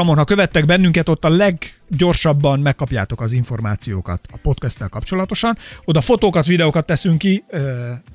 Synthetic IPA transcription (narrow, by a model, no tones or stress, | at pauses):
ɒmonɦɒkø̞vɛt̪ːɛɡbɛnːyŋkɛt̪o̞t̪ːɒlɛɡɟo̞rʃɒbːɒnmɛkːɒpja̰ːt̪o̞kɒziɱfo̞rma̰ːt̪sijo̰ːkɒ̰t̪ɒpo̞t̪kɛst̪ːɛlkɒpt͡ʃo̞lɒt̪o̞ʃɒno̞d̪ɒfo̞t̪oːkɒt̪ʋid̪ɛoːkɒt̪ːɛsyŋkːiø